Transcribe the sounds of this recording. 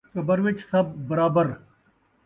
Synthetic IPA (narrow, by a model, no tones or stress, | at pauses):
kɐbɐɾʋɪt͡ʃsɐb̚ːɐɾaːbəɾ